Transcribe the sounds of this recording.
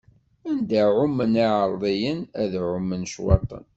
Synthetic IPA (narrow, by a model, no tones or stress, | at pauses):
ænd̪æʕʊmːəniʕəɾˤðˤijənæðʕʊmːənʃwɑ̰t̪ˤə̰n